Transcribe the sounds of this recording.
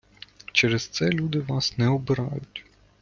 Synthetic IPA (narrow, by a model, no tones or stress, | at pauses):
t͡ʃɛɾest̪sɛlʲud̪ɪʋɑsnɛɔbɪɾɑ̰jʊtʲ